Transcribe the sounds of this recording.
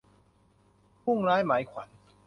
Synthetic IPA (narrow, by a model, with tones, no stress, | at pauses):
pʰu˥˩ŋɾaː˦˥jmaː˩˦jkʰwa˩˦n